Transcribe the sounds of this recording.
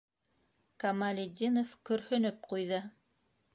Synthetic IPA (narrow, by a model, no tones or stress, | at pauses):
kɐmalʲɪd̪ʲinofkɵ̆ɾhɵ̆nɵp̚qujðɤ